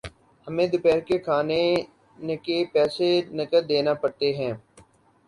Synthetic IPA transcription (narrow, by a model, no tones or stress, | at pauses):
həmẽd̪ʊpɛːɾkekʰaːne | nekepɛːsenɐkəɾd̪eːnapɐɽt̪eɦɛ̃ː